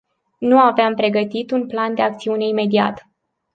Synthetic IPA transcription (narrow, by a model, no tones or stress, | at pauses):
nuaveampɾe̞ɡət̪it̪unpland̪e̞ak̚t̪siune̞ime̞d̪ia̰t̪